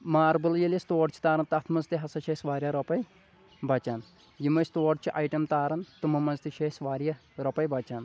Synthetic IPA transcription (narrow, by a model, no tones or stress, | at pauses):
maːɾbɨljɐlʲjɐst̪oːɾt͡ʃʰi̥t̪aːɾɐnt̪ɐt̪ʰmɐnzt̪iɦɐsɐʃɐsʋaːɾjɐɾɐpɐj | bɐt͡ʃɐn | jimɐjst̪oːɖt͡ʃʰiʔaːjʈɐmt̪aːɾɐnt̪ɨmɐmɐnzt̪iʃɐsʋaːɾjɐ | ɾɐpɐjbɐt͡ʃan